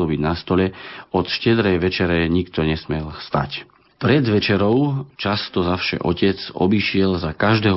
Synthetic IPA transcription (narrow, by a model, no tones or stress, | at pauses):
lɔbiɟnast̪ɔʎɛɔt̪ʃcɛd̪ɾɛjʋɛt͡ʃɛɾɛɲikt̪ɔɲɛsmɪɛlst̪a̰c | pɾɛd̪ʋɛt͡ʃɛɾɔʊt͡ʃast̪ɔzafʃɛ̰ʔɔ̰cɛt͡sɔ̰biʃɪɛlzakaʒd̪ɛːɦ